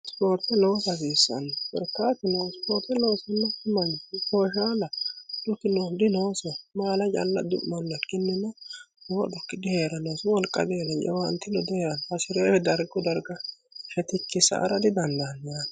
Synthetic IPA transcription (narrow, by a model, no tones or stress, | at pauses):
spo̞ːɾt̪ɛloːsɐziːsːɐ̰nbɛ̰ɾkːaːt̪ɪnospoːɾt̪ɛloːsɐnːɐkɪmɐnkoːʃaːlɐd̪̥ʊkːɪnod̪ɪnoːsɔmaːlɐt͡ʃʼɐ̰lːɐd̪ʊʔmɔnːɐkːɪnːɪnɔ | nwɔ̰d̪ʊkːɪd̪ɪheːɾɐnoːswɔlkʼːɐ̰ɡeːɾɐnt͡ʃɛ̰wɐnt̪ːɪnɔd̪ɪheːɾɐnɐsɪɾeːɛd̪ɐɾɡɔd̪ɐɾɡɐ | fɛt̪ɪkːɪsɐ̰ʔːɾɐd̪ɪd̪ɐnd̪ɐnjaːn